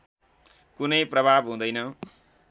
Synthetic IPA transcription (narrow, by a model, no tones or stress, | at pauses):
kunʌjprʌbʱabɦũd̪ʌjnʌ